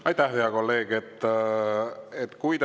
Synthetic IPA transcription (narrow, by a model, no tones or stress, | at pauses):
ɑjt̪æhheɑko̞lːe̞ːɡ̥et̪ːˑ | et̪kujd̪